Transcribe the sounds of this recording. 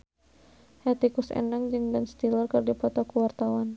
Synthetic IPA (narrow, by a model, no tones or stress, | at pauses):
hɛt̪ikusɛ̰naŋd͡ʒɨŋbɛnst̪ilərkɨrdipɔt̪ɔkuwart̪awan